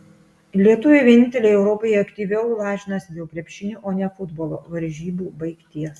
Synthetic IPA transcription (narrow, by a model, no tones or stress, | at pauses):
lʲiɛt̪ʊʋʲeːʋʲiɛɪnt̪ʲɛlʲeːjɛʊɾɔːpojɛɐkt̪ʲiːʋʲɛʊʋɑːʒʲɪnɐsʲdʲeʊpʲɾʲɛpʲʃʲɪnʲuʔoːnʲɛfʊd̪bolˠo̰ːʋɐɾʲʒʲiːbuːbɐɪkt̪ʲiɛs